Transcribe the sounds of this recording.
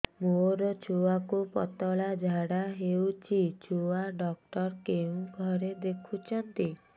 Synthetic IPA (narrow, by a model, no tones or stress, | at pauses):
moɾɔt͡ʃʰuakupɔ̰t̪ɔɭad͡ʒʱaɽaɦewt͡ʃʰit͡ʃʰuaɖɔk̚ʈɔɾkeũɡʱɔɾed̪ekʰut͡ʃʰɔnt̪i